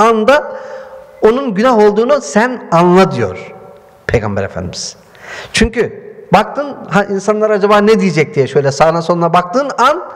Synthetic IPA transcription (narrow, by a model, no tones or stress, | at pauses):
and̪a | o̞nunɟynaɦo̞lˠd̪uːnusænanlˠad̪ɯjo̞̰ɾ̥ | pʰe̞jɡa̰mbɛ̰ɾefæ̰nd̪imiz̥ | t͡ʃʰyɲcybak̚t̪ʰɯnɦaʔinsanlˠaɾad͡ʒabaːned̪ijid͡ʒɛc̚d̪ijɛʃø̞jlʲɛsaːd̪anso̞nunabak̚t̪ʰɯːnan